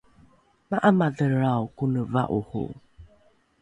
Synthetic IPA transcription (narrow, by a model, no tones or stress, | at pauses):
maʔamadəɾawkunəva̰ʔuhṵ